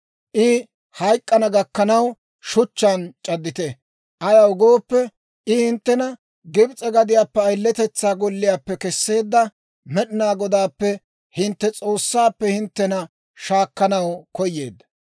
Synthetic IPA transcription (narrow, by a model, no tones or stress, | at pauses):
ʔɪ | hɐjkʼːɐnɐɡɐkːɐnɐw | ʃʊt͡ʃːɐnt͡ʃʼɐd̪ːɪt̪ɛ | ʔɐjɐwʊɡo̞ːpːɛ | ʔɪhɪnt̪ːɛnɐ | ɡɪbt͡sʼɛɡɐd̪ɪjaːpːɛɐjlːɛt̪ɛt͡sːaːɡɔlːɪjaːpːɛkɛsːe̞ːd̪ːɐ | mɛɗɪnaːɡɔd̪aːpːɛ | hɪnt̪ːɛt͡sʼo̞ːsːaːpːɛhɪnt̪ːɛnɐ | ʃaːkːɐnɐwkɔjːe̞ːd̪ːɐ